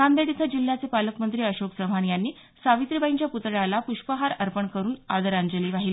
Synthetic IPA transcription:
and̪eɽit̪ʰəd͡ʑil̤ːjat͡sepaləkmənt̪ɾiːəɕoksəʋ̤anjanːiː | saʋit̪ɾibaiɲt͡ɕjaput̪ɭalapuɕpəɦaɾəɾpəɳkəɾuːna̰d̪əɾaɲd͡ʑəliːʋaɦiliː

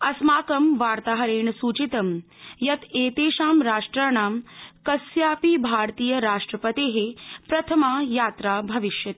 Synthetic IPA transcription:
ɐsmaːkɐmʋaːɾt̪aːɦɐɾeːɳɐsuːt͡ʃit̪ɐm | jɐt̪ʰeːt̪eːʃaːmɾaːʂʈɾaːɳaːmkɐsjaːpibʱaːɾt̪iːjɐɾaːʂʈɾɐpɐt̪eːɦepɾɐt̪ʰɐmaːjaːt̪ɾaːbʱɐʋiʃjɐt̪̚

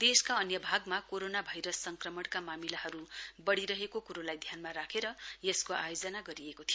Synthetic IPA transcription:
d̪eskaʌnjʌbʱaɡmakoɾonabʱʌjɾʌsːʌŋkrʌmʌɽkamamilaɦʌɾubʌɽiɾʌɦekokuɾolajd̪ʱjanmaɾakʰeɾʌjeskoa̰jod͡zʌnaɡʌɾiekot̪ʰijo

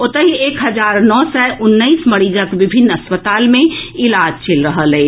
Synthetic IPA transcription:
ot̪əɦieːkɦəd͡ʒaːɾnɔːsɛʔʊnːəismɐɽid͡ʒəkʋɪbʱinːəspət̪aːlmẽɪlaːd͡ʒt͡ʃʰelɾəɦəlɛ

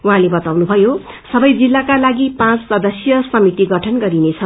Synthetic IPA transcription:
wuɦãlebʌt̪awnubʱʌjo | sʌbʌjd͡zilːakalaɡipãt͡ssʌd̪ʌsjʌsʌmit̪iɡʌʈʰʌnɡʌɾinet͡sʰʌ

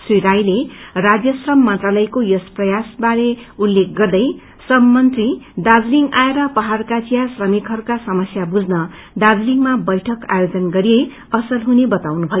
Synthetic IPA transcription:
siɾajlerad͡zjʌsrʌmːʌnt̪ralʌjkojʌsprʌjasbaɾeulːek̚ɡʌrd̪ʌj | sʌmːʌnt̪rid̪ad͡zliŋɡaeɾʌpʌɦarkat͡sijasrʌmikʰɦʌrkasʌmʌsjabud͡znʌ | d̪ad͡zliŋmabʌjʈʰʌka̰jod͡zʌnɡʌɾie | ʌsʌlɦunebʌt̪awnubʱʌ

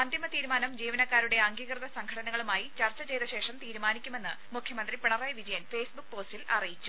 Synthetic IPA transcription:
ɐnd̪imɐt̪iːɾumaːnɐmd͡ʑiːʋɐnɐkːaːɾuɽe̞ɐŋɡiːkrɨðɐsɐŋkʰɐɽɐnɐɣɐɭumaːjit͡ɕɐrt͡ɕːɐt͡ɕe̞jt̪ɐɕe̞ːʂɐmt̪iːɾumaːnikʲːume̞nːɨ | mukʰjɐmɐnd̪ripiɳɐrɐjʋid͡ʑɐjɐnfe̞ːsbuk̚ːpo̞ːstilɐ̰rijit͡ɕːu̥

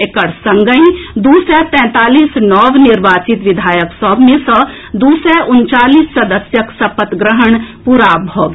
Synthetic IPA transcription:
ekəɽsɐ̃ŋɡəĩd̪uːsɛt̪ɛ̃ːt̪aːliːsnɔːʋnɪɾʋaːt͡ʃɪt̪ʋɪd̪ʱaːjəksɔbmẽsə | d̪uːsɛʔʊnt͡ʃaːliːsːɐd̪əsjəksɐpət̪ɡɾəɦəɳ̃puɾaːbʱəʋ

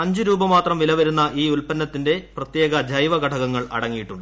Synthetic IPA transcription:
ɐɲd͡ʑɨɾuːbɐmaːt̪rɐmʋilɐʋɐɾunːɐʔiːulpɐnːɐt̪ːinde̞prɐt̪jeːɡɐd͡ʑɐjʋɐɡɐʈʰɐɣɐŋːɐɭɐ̰ɽɐŋːijiʈːuɳɖɨ

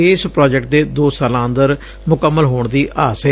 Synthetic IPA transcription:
ɪːspɾaːd͡ʒɛk̚ʈ̚d̪eːd̪oːsaːlãːnd̪əɾ | mʊkəmːəlɦoːɳd̪iːʔaːse

